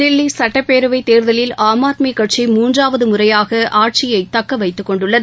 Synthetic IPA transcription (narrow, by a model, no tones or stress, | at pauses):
d̪ɪlːisɐʈːɐpːeːɾɯʋɐɪt̪eːɾðɐlɪlaːmaːt̪mikːɐʈ̚t͡ʃimuːndraːʋɐðɯmʊrɐjaːɣɐʔaːʈ̚t͡ʃɪjɐɪt̪ɐkːɐʋɐɪt̪ːɯkːɔɳɖɯɭːɐðɯ